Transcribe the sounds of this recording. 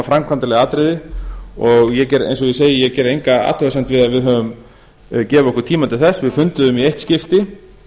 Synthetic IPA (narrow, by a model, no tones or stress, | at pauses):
fɾamkʰvant̪alɛɣaaːt̪ɾɪðɪɔɣjɛcɛɾḛjnsɔjɛseːjɪjɛcɛːɾejŋkaa̰ːt̪ʰœɣasɛn̥t̪vɪðaðvɪðɦœːvʏm | cɛːvɪɔhkʏɾ̥t̪ʰiːmat̪ʰɪlθɛsːvɪðfʏnt̪ʏðʏmieht̪scɪft̪ɪ